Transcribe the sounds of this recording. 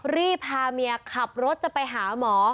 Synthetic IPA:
ɾiː˥˩pʰaː˧mi˧ɐkʰa˨˩p̚ɾo˦˥t̪̚t͡ɕa˨˩pa˧jɦaː˩˦mɔː˩˦

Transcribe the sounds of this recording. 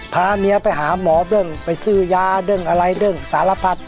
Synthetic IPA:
pʰaː˧mi˧ɐpa˧jɦaː˩˦mɔː˩˦bɤ˧˩˨ŋpa˧˩jsɯː˧˩jaː˧dɤ˧˩ŋʔa˧ɾa˧jdɯ˧˩ŋsaː˩˦la˧pʰa˧˩t̪̚

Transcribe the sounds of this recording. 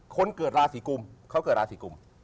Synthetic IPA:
kʰo˧nkɤː˨˩t̪̚ɾaː˧siː˩˦ku˧mkʰa˦˥wkɤː˨˩t̚ɾaː˧siː˨˩˦ku˧m

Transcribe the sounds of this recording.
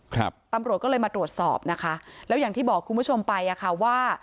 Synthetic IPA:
kʰɾa̰˦˧p̚t̪a˧mɾu˨˩t̪̚kɔ˥˩lɤː˧jmaː˧t̪ɾu˨˩ət̪̚sɔ̰ː˨˩p̚na˦˥kʰa˦˥lɛ˦˥wjaː˨˩ŋt̪ʰiː˥˩bɔː˨˩kʰːu˧npʰu˥˩t͡ɕʰo˧mpa˧jʔa˨˩kʰa˨˩waː˥˩

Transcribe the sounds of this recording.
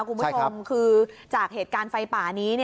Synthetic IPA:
kʰu˧nbu˦˥o˧mkʰɯː˧t͡ɕaː˨˩k̚ɦeː˨˩t̪̚kaː˧nfa˧jpaː˨˩niː˦˥ni˥˩

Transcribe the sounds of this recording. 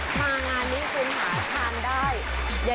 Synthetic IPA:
mʰaː˧ŋaː˧nːiː˦˥kʰu˧˥nɦaː˩˦t̪ʰaː˧ndaː˥˩j | ja˨˩

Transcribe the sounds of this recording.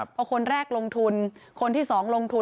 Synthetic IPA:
pʰɔ˧kʰo˧nɾɛː˥˩k̚lo˧ŋt̪ʰu˧nkʰo˧nt̪ʰiː˥˩sɔː˩˦ŋlo˧ŋt̪ʰu˧

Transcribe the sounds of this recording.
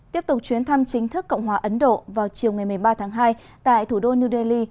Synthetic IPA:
t̪i˦˥əp̚t̪ʊ˨˩k͡p̚t͡ɕwi˨˦ənt̪ʰa˧mt͡ɕï˨˦ŋ̟t̪ʰɨ˦˥kːə̰˧˨wŋ͡mhwaː˨˩ʔə˨˦nɗo̰˧˨vaː˨˩wt͡ɕi˨˩əwŋa˨˩jm˨˩əjɓaː˧t̪ʰaː˨˦ŋɦaː˧j | t̪a̰ː˧˨jt̪ʰu˧˩ɗo˧ni˧ɗe˧li˧

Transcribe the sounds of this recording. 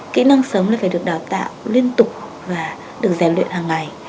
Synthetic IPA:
kḭ˧˥nə˧ŋsəː˨˦wŋ͡mlaː˧˨˩faː˧˩ɗɨ˨˩ək̚ɗaː˨˩wt̪a̰ː˧˨wli˧ənt̪ʊ˨˩k͡p̚ | vaː˨˩ | ɗɨ˨˩ək̚zaː˨˩lwḭ˧˨nhaː˨˩ŋːa˨˩j

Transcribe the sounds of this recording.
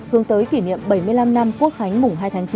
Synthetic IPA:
hɨ˨˦əŋt̪əː˨˦jki˧˩nḭ˧˨əmɓə˧˩jmɨ˧əjla˧mna˧mku˦˥ək̚xa˨˦jŋ̟mʊ˨˩ŋ͡mɦaː˧jt̪ʰaː˨˦ŋt͡ɕi˨˦

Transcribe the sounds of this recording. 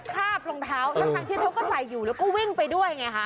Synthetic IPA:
kʰaː˥˩p̚lo˧ŋt̪ʰaː˦˥wlaː˦t̪ʰaː˧˦ŋt̪iː˥˩a˦˥wkɔː˥˩sa˨˩˦jːuː˨˩lɛː˦˥wkɔː˥˩wi˥˩ŋpa˧jdu˥˩əjŋa˧˥jkʰa˦˥

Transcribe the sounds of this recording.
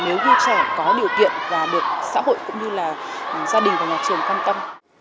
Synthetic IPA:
ne˨˦wɣi˧t͡ɕɛ˧˩kɔ˨˦ɗi˨˩əwkḭ˧˨ənvaː˨˩ɗɨ˨˩ək̚sa̰ː˧˥ɦo̰˧˨jkʊ̰˧˥ŋ͡mɲɨ˧laː˨˩zaː˧ɗï˨˩ŋ̟vaː˨˩ɲaː˨˩k̚t͡ɕɨ˨˩əŋkwaː˧nt̪ə˧m

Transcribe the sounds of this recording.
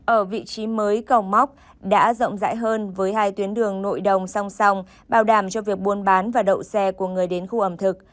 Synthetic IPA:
ʔəː˧˩vḭ˧˨t͡ɕi˨˦məː˨˦jkə˨˩wma˦˥wk͡p̚ | ɗa̰ː˧˥zə̰˧˨wŋ͡mza̰ː˧˥jɦəː˧nvəː˨˦jɦaː˧jt̪wi˨˦ənɗɨ˨˩əŋno̰˧˨jɗə˨˩wŋ͡msa˧wŋ͡msa˧wŋ͡m | ɓaː˨˩wɗaː˧˩mt͡ɕɔ˧vi˨˩ək̚ɓu˧ənɓaː˨˦nvaː˨˩ɗə̰˧˨wsɛ˧ku˧˩əŋɨ˨˩əjɗe˨˦nxu˧ʔə˧˩mt̪ʰɨ˨˩k̚

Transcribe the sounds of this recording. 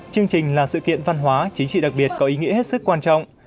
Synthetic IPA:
t͡ɕɨ˧əŋt͡ɕï˨˩ŋ̟laː˨˩sɨ̰˧˨kḭ˧˨ənva˧nɦwaː˨˦t͡ɕï˨˦ŋt͡ɕḭ˧˨ɗa˨˩k̚ɓi˨˩ət̚kɔ˨˦ʔi˨˦ŋḭ˧˥əhe˦˥t̚sɨ˦˥kːwaː˧nt͡ɕɔ̰˧˨wŋ͡m

